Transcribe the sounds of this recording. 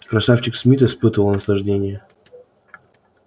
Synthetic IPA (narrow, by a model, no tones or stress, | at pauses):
kɾɐsaft͡ɕɪksmʲit̪ɨspɨt̪əvəlˠnəslˠɐʐdʲenʲɪjə